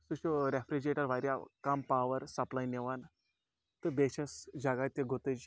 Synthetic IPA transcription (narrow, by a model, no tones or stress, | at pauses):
suɕoɾefɾid͡ʑeʈəɾʋaɾʲjakampaʋəɾsɐplajneʋan | t̪ɨbeɕɐsd͡ʑaɡat̪eɡʱot̪əd͡ʑ